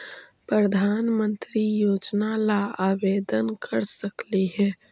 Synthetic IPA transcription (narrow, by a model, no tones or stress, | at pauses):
pɾəd̪ʱaːnmə̃nt̪ɾijoːd͡ʒnalaaːʋeːd̪ənkʰəɾsəkliɦɛː